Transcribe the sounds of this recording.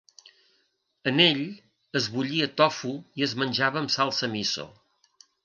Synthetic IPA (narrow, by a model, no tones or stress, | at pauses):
əneʎ | əzβuʎiət̪ɔfuiəzmənʲʒaβəːmsalˠsəmiso̰